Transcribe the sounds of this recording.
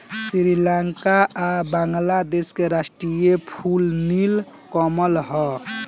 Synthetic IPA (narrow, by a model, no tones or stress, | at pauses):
siɾilaŋkaʔabaŋɡlad̪eskeɾasʈɾijepʰulnil | kɔməlɦɔ